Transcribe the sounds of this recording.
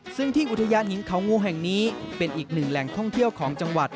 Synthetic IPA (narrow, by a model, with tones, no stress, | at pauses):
sɯ˥˩ŋt̪ʰiː˥˩ʔu˨˩t̪ʰːa˧jaː˧˥nhi˩˦nkʰa˩˦wŋuː˧ɦɛ˨˩ŋniː˦˥pe˧nʔiː˨˩k̚nɯ˨˩ŋlɛ˨˩ŋt̪ʰɔ˥˩ŋt̪ʰi˥˩əwkʰɔː˩˦ŋt͡ɕa˧ŋwa˨˩t̪̚